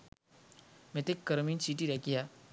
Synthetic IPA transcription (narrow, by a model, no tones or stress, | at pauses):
mɛt̪ekːəɾmiːnsiʈ̬iɾakija